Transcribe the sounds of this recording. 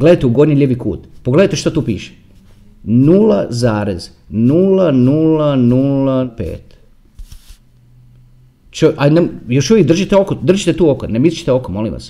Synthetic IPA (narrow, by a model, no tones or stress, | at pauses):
ɡle̞d̪ajt̪euɡo̞d̪nilʲjeʋikṵːt̪poɡled̪ajt̪eʃt̪ot̪uːpḭːʃe̥ | nulazaːɾez | nulanulanulapḛːt̪ | t͡ʃoʔanemjo̞ʃuʋjek̚d̪r̩ʒit̪eo̞kod̪r̩ʒit̪et̪uːokonemist͡ʃi̥t̪eo̞komo̞lḭmʋa̰s